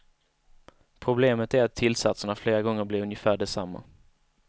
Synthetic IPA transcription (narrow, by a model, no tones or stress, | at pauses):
pʰɾʊbleːmət̪æɾat̪ʰːɪlsat̪səɳafleːɾaɡɔŋːəɾblɪɾɵnjəfæːɖɛsamːa̰